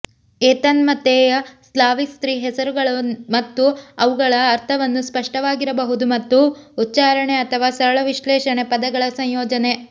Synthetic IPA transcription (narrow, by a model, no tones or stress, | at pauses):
ɛːt̪ɐnmɐt̪ːeːjɐslaːʋikst̪ɾiːɦɛsɐɾuɡɐɭɐmɐt̪ːuɐʋuɡɐɭɐːɾt̪ʰɐʋɐnːuspɐʂʈɐʋaːɡiɾɐbɐɦud̪umɐt̪ːuːtːt͡ʃaːɾɐɳeɐt̪ʰɐʋaːsɐɾɐɭɐʋiʃlɛːʃɐɳepɐd̪ɐɡɐɭɐsɐ̃ɲjɔːd͡ʒɐne